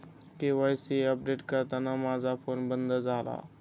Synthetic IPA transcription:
keʋajseɐp̚ɖeːʈkɐt̪anamaːzapʰoːnbənd̪əzaːla̰ː

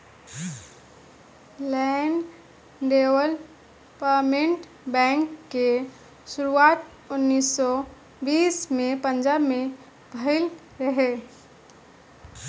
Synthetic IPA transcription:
lɛɳɖ | ɖewəl | pəmẽɳʈ | bɛ̃ːŋkːe | ʃʊɾuaːt̪ | ʊnːiːsːɔ | biːsmẽpə̃nd͡ʒaːbme | bʱəɪl | ɾəɦe

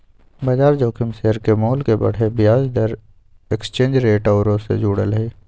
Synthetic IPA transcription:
bɐd͡ʒaːɾd͡ʒoːkʰɪmseɦəɾkemoːlkebɐ̰ɽ̤ebɪjaːd͡ʒd̪əɾ | ekst͡ʃẽːnd͡ʒɾeːʈɔːɾõsḛd͡ʒuːɽəlɦeː

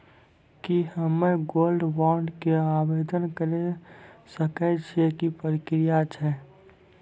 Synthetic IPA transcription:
kihəmːeɡolɖwɔɾɖkeabed̪ənkəɾesəkɛt͡ʃʰiekipəɾikɾijat͡ʃʰɛ

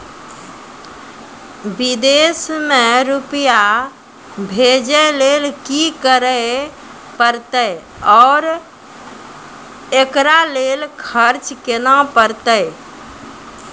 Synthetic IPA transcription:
bid̪esmẽɾupja | bʱed͡ʒəlelkikəɾə | pəɾt̪əj | ɔːɾ | ekɾalelkʰəɾt͡ʃkenapəɾt̪əj

